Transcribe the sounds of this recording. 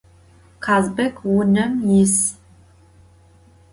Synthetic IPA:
qʰaːzbɐkʲwʊnɐmjɪs

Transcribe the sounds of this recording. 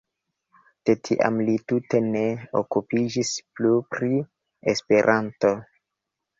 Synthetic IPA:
d̥e̞tʰiʔa̰mlitute̞ne̞o̰kupid͡ʒisplupɾi | espe̞ɾʔanto̞

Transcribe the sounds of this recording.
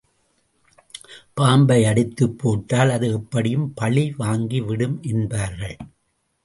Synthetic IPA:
paːmbɐɪɐɽɪt̪ːɯpːoːʈːaːlɐðɯɛpːɐɽɪjɯmpɐɭiʋaːŋɡiʋɪɽɯmʔɛnbaːɾɣɐɭ

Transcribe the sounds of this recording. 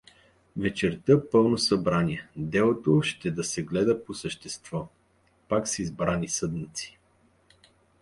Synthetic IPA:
vɛt͡ʃɛɾt̪əpɤlˠnosɐbɾanʲiɛd̪ɛlˠot̪oʃt̪ɛd̪ɐsɛɡlɛd̪əposəʃt̪ɛst̪vɔ | paksɛizbɾanisɤd̪nət̪si̥

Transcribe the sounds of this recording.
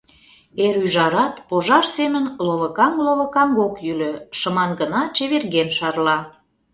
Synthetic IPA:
eɾyʒɑɾɑt̪poʒɑrsemənloβə̆kɑŋloβə̆kɑŋɡokjyløʃəmɑnɡənɑt͡ɕeβerɣenʃɑrlɑ

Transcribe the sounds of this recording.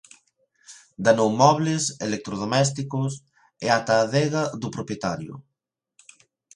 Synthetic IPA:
d̪anowmɔβlesḛlek̚t̪ɾoð̞omɛs̬t̪ikʊs | ɛat̪aðɛɣaðupɾopjet̪aɾjʊ̰

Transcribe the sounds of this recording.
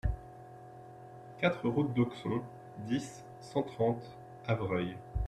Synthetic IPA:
kat̪χəʁut̪̚d̪ɔksɔ̃ | d̪isː | ɑ̃t̪χɑ̃t̪ | avʁœj

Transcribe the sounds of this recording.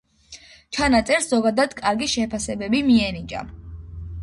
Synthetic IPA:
t͡ʃʰanat̪sʼɛɾszɔɡad̪ad̪kʼaɾɡiʃɛpʰasɛbɛbimiɛnit͡ʃʼa̰

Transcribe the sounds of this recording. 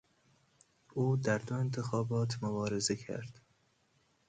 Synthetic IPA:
ʔuːd̪æɾd̪oe̞nt̪ʰe̞xɒːbɒːt̪ʰmobɒːɾe̞zecʰæ̰ɾd̪̥

